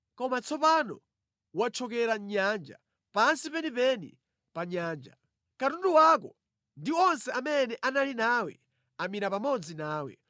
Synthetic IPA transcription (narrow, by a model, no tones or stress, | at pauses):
kɔmat͡sʰɔpanɔ̰ | wat͡ʃʰɔkɛɾaɲand͡ʒa̰ | pansipɛnipɛnḭ | paɲaːnd͡ʒa̰ | katunduwakɔ | ndiɔnsɛamɛnɛʔanalinaːwɛ̰ | amiɾapamɔd͡zinaːwɛ̰